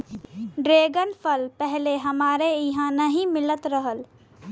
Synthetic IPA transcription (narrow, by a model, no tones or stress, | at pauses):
ɖɾeːɡənpʰəlpɛɦleɦəmaːɾeɪɦãnəɦĩmɪlət̪ɾəɦəl